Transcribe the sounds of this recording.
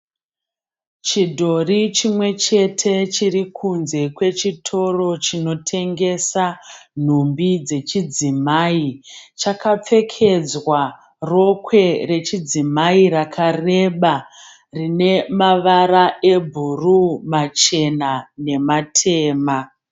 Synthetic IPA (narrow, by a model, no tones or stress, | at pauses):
t͡ʃidʱo̞rit͡ʃimwe̞t͡ʃe̞tʰe̞t͡ʃirikʰunze̞kwe̞t͡ʃitʰo̞ro̞t͡ʃino̞tʰe̞ŋɡe̞san̤umbid͡ze̞t͡ʃid͡zimaːit͡ʃakap͡fe̞kʰe̞d͡zwa | ro̞kwe̞re̞t͡ʃid͡zimairakʰare̞ɓa | rine̞maʋaɾaʔe̞bʱurumat͡ʃe̞nane̞matʰe̞ːma